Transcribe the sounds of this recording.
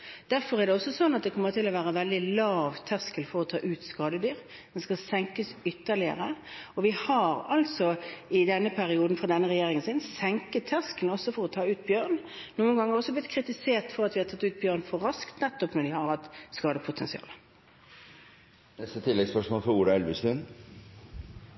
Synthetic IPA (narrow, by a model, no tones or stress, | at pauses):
d̪̥æɾfɔɾɛʁd̪ɛɔsːɔsɔnːɑt̪̚d̪ɛkʰɔmːəʁt̪ʰɪlɔʋæːʁəʋɛld̪ɪlɑːʋt̪ʰɛskəlfɔɾɔt̪ʰɑːʔʉːt̪skɑːd̪əd̪yːʁ | d̪̥ɛnskɑsɛŋkəsʏt̪ːəʁlɪə̰ʁəɔʋɪhɑɾɑlt̪sɔɪd̪ɛnːəpʰæʁɪuːd̪n̩fʁɑːd̪ɛnːəʁɛjeːɾɪŋənsiːd̪n̩sɛŋkət̪ʰːæskəlnɔsːɔfɔɾɔt̪ʰɑːʉːt̪̚bjøːʁnnuːənɡɑŋːəɾɔsːɔblɪt̪kʰɾɪt̪ɪseːʁt̪fɔʁɑt̪ʋɪhɑt̪ʰɑt̪ːʉːt̪̚bjøːʁnfɔɾɑskt̪nɛt̪ːɔpnɔɖ̪ɪhɑɾhɑt̪ːskɑːd̪əpʰʊt̪ʰɛnsɪɑ̰ːlə | nɛst̪ət̪ʰɪlːɛɡspœʂmoːlfɔɾuːɖ̪ɑɛlʋɪsʉn